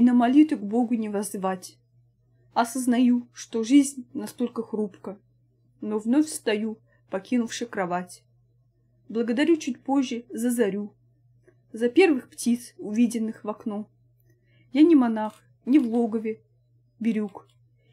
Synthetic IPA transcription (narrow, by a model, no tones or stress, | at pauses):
nəmɐlʲit̪ʊɡbo̞ɡʊnʲɪvɐzvatʲ | ɐsəznɐjuʂt̪oʐɨzʲnʲnɐst̪o̞lʲkəxrupkə | novnofʲst̪ɐju | pɐkʲinʊfʂɨkɾɐvatʲ | blˠəɡəd̪ɐɾʲut͡ɕut̚ʲpo̞ʑʲːɪzəzɐɾʲu | zɐpʲe̞rvɨxptʲit̪sʊvʲidʲɪnːɨxvɐkno | janʲɪmɐnax | nʲɪvlˠoɡəvʲɪ | bʲɪɾʲuk